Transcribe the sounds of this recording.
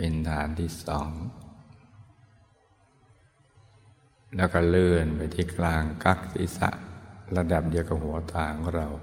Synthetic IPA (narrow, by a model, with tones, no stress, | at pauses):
pe˧nt̪ʰaː˨˩˦nt̪ʰiː˧˥˩sɔː˩˦ŋ | lɛː˧˩wkɔ˧˩lɯː˧˩npa˧jt̪ʰiː˧˩kʰlaː˧ŋka˦˥˩k̚sḭ˨˦sa̰˧˩ʔla˧da˨˩p̚di˧əwka˧˩hu˩˦ɐt̪aː˧ŋkʰɔ˥˩ɾa˧˩w